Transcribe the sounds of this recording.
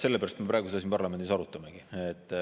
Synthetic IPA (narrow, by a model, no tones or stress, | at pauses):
se̞lːepæɾɑst̪me̞pɾɑːˑeɡused̪ɑsinpɑrlɑme̞nd̪isɑɾut̪ːˑɑmeɡ̥iet̪ː